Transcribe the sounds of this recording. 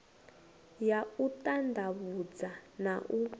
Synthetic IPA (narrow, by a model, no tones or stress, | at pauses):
jautandʱaβud͡zanaʔu